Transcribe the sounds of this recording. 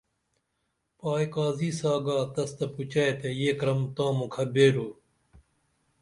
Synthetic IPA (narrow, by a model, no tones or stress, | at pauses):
paːjkaːziːsaːɡaːt̪ɐst̪ɐput͡ɕɐet̪ejeːkɾɐmt̪ãːmukʰɐbeːɾoː